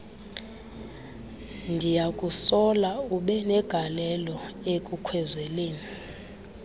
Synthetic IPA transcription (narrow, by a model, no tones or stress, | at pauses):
ndʱijakʼusɔlauɓɛnɛɡ̥ʱalɛlɔekʼukʰwɛzɛleːni